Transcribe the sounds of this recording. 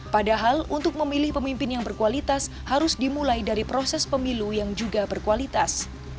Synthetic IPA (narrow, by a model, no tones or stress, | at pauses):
padaɦalunt̪ʊk̚məmilɪhpəmimpɪnjaŋbərkualit̪as | haɾʊsdimulajdaɾipɾosɛspəmilujaŋd͡ʒuɡabərkualit̪as